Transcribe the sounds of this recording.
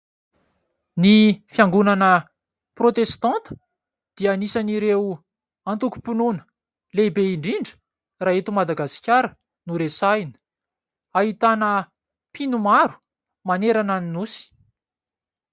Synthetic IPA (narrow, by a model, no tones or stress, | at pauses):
nifjaŋɡunanə | prot̪est̪ɑ̃nt̪ə̥ | d̪̥ianisaniɾew | ãnt̪uku̥pununə̥ | lebeiɳɖ͡ʐiɳɖ͡ʐə̥ | raet̪umad̪aɡasi̥kʲaɾə | nuɾesajnə̥ | aɦit̪anə | pinumaɾu̥ | maneɾananinusi̥